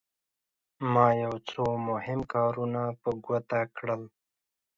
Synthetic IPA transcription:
mɑjawt͡somʊhɪmkɑɾunapəɡwat̪akɽəl

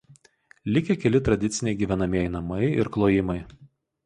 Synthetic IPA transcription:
lʲɪkʲɛkʲɛlʲɪt̪ɾɐd̪ʲɪt̪sʲɪnʲɛɪɡʲiːʋʲɛnɐmʲiɛjɪnɐmɐɪɪ̰ɾklˠoːjɪmɐɪ

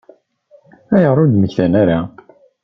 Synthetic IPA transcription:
æjəʁɾˤud̪məçθænæɾa

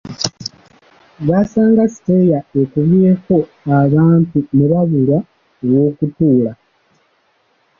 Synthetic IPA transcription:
ɡasaːŋɡasi̥tejaekuβjeko̞ | aβaːntuneβaβula | owo̞ːkutuːla

